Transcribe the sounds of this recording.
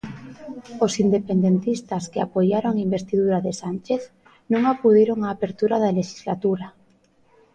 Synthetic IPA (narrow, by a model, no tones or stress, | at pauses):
osind̪epend̪ent̪ist̪askeapojaɾoŋimbest̪iðuɾaðesant͡ʃeθ | nũŋakuðiɾoŋaːpeɾt̪uɾaðaleʃi̥zlat̪uɾa